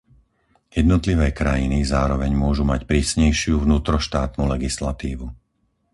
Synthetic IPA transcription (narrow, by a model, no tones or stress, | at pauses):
jɛd̪nɔt̪liʋɛːkɾajinizaːɾɔʋɛɲmʊɔʒumacpɾiːsɲɛjʃɪuʋnuːt̪ɾɔʃt̪aːt̪nuːlɛɡislat̪iːʋu